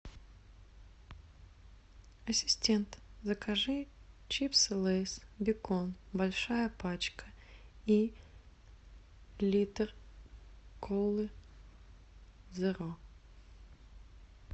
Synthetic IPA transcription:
ɐsʲɪ̥sʲtʲent̪zəkɐʐɨt͡ɕipslˠejsbʲɪkonbɐlʲʂajəpat͡ɕkəi | lʲit̪ər | kʰolˠɨ | zɨɾo

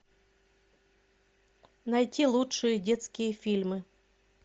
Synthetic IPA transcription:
nɐjtʲilˠutʂɨjədʲet̪skʲɪjəfʲilʲmɨ

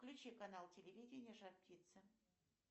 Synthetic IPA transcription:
klʲʉt͡ɕikanalˠtʲɪlʲɪvʲidʲɪnʲɪjəʐat̪p̚tʲit̪sə

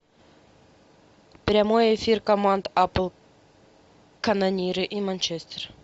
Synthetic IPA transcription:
pɾʲamojefʲirkɐmand̪apəlˠ | kɐnanʲiɾɨʔimanʲt͡ɕesʲt̪ʲer

